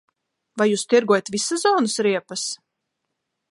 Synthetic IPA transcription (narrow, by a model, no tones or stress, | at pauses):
vajuːst̪iɾɡɔjat̪vʲisazɔːnɨsɾiɛpas